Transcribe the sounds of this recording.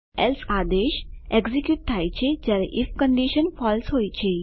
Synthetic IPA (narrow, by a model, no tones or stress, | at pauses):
elfad̪eɕeɡzikjuːʈ̚t̪ʰajt͡ɕed͡ʑjaɾeʔifkəɳɖiɕənfɔlsɦojt͡ɕe